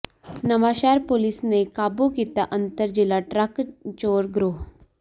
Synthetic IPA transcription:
nəʋaɕɛɾpolisnekabukit̪aʔənt̪əɾd͡ʑilaʈɾəkt͡ʃoːɾɡɾoɦ

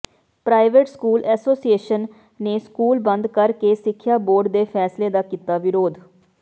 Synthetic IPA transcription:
pɾaːɪʋeʈskuːlɛːsoːsieːʃənː | eːskuːlbənd̪kəɾkeːsɪkʰːjaːboːɾɖd̪eːpʰɛːsleːd̪aːkit̪aːʋɪɾoːd̪

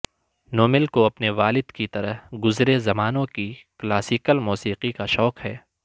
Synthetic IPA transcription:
noːmɪlkoɐpneʋaːlɪd̪kit̪ɐɾəɦɡʊzɾezɐmaːnõkiklaːsiːkəlmuːsiːqikaʃɔːkɦhɛː

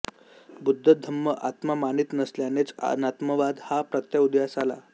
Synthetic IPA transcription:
bud̪ʱːəd̪ʱəmːəʔa̰t̪mamanit̪nəsljanet͡snat̪məʋad̪hapɾət̪jaud̪jasala̰

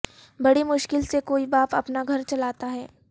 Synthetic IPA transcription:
bɐɽimʊʃkɪlsekoːibaːpɐpnaɡʱɐɾt͡ʃɐlaːt̪aɦɛː

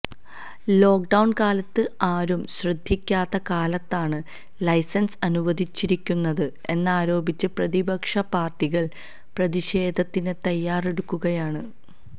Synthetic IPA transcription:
lo̞ːk̚ɖɐwɳkaːlɐt̪ːɨaːɾumɕrɨd̪ʱːikʲːaːt̪ːɐkaːlɐt̪ːaːɳɨ | lɐjsɐnsɐnuʋɐd̪ʱit͡ɕːiɾikʲːunːɐðɨ | e̞nːaːɾo̞ːbit͡ɕːɨprɐðibɐkʂɐpaːrʈːiɣɐɭ | prɐðiɕeːd̪ʱɐt̪ːinɨt̪ɐjːaːre̞ɽukːuɣɐjaːɳɨ

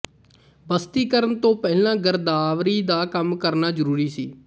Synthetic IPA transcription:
bəst̪iːkəɾənt̪õːpɛːlãːɡəɾd̪aːʋɾiːd̪aːkəmkəɾnaːzəɾuːɾiːsiː

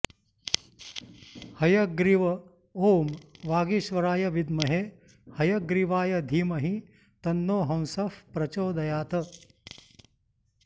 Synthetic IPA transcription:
hɐjɐɡɾiʋɐ | oːmʋaːɡiʃʋɐɾaːjɐʋid̪mɐɦe | hɐjɐɡɾiʋaːjɐd̪ʱiːmɐɦi | t̪ɐnːoːɦɐ̃w̃sɐfpɾɐt͡ʃoːd̪ɐjaːt̪ɐ

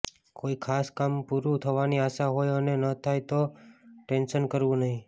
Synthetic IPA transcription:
koikʰaskampuɾũt̪ʰəʋaniaʃaɦojənenət̪ʰajt̪oʈenʃənkəɾʋũnəɦĩ

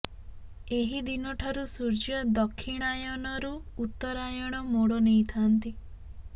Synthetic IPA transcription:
eɦid̪inɔʈʰaɾusuɾd͡ʒiɔd̪ɔkʰːiɽ̃ajɔnɔɾuːt̪ːɔɾajɔɽ̃ɔmoɽonejt̪ʰant̪i

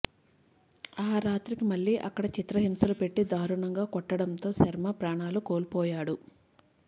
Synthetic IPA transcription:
aːɾaːt̪ɾikimɐlːiːʔɐ̰kːɐɽɐt͡ʃit̪ɾɐɦimsɐlupe̞ʈːid̪aːɾuɳɐŋɡaːkɔʈːɐɽɐnt̪o̞ːsɐɾmɐpɾaːɳaːlukoːlpɔːjaːɽu

